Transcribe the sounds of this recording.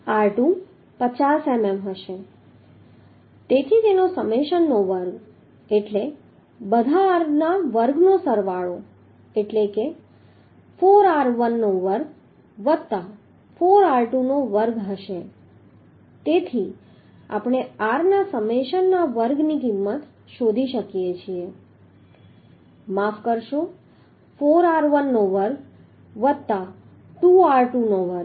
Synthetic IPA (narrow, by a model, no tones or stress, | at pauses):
aɾʈu | pət͡ʃasememɦəʃe | t̪et̪ʰit̪enosəmeʃənːoʋəɾɡ | eʈle | bəd̪ʱaːɾnaʋəɾɡnosəɾʋaɭo | eʈleke | foɾaɾʋənːoʋəɾɡ̚ | ʋət̪ːa | foɾaɾʈunoʋəɾɡɦəʃe | t̪et̪ʰi | a̰pɳ̃eaɾnasəmeʃənːaʋəɾɡnikimːət̪ | ʃod̪ʱiʃəkjet͡ʃʰie | mafkəɾʃo | foɾaɾʋənːoʋəɾɡ | ʋət̪ːa | ʈuaɾʈunoʋəɾɡ